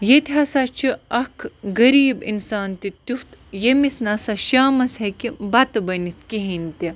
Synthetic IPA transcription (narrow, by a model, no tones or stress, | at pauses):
jet̪ʲɦasat͡ʃʰiɐkʰɡɐɾiːbḭnsaːnt̪it̪ut̪jemisnasaʃaːmɐshekibɐt̪ɐbɐnit̪̚kiɦinʲt̪i